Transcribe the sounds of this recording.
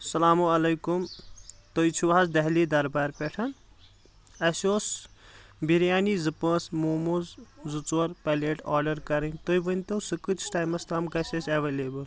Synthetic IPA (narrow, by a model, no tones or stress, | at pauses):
sɐlaːmuɐlɐjkumt̪ojt͡ʃʰuazd̪ɐɦlid̪ɐɾbaɾpeʈʰɐn | ɐsos | bʱiɾijaːnizɨpɐ̃smumuzzut͡swɐɾpaleʈaːɾɖɐɾkɐɾɐnʲt̪ojbənʲt̪owsɨkɨt͡ʃʰʈaːjmɐslaːmkɐsʲesɐʋeleːbɐl